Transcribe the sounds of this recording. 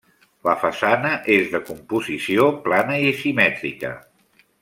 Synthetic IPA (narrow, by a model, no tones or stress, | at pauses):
ləfəsanəʔezðəkumpuzisioplanəisimɛt̪ɾikə̰